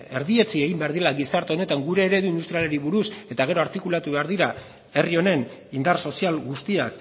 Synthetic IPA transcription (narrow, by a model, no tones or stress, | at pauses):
e̞ɾðie̞t͡sie̞ɣimbeaɾðiɾelaɣisaɾt̪eone̞t̪aŋɡuɾe̞ːɾe̞ðuind̪ust̪ɾiale̞ɾiβuɾuse̞t̪aɣ̞e̞ɾo̞aɾt̪ikulat̪uβe̞aɾðiɾa | e̞rio̞ne̞nind̪arso̞sialɡust̪iak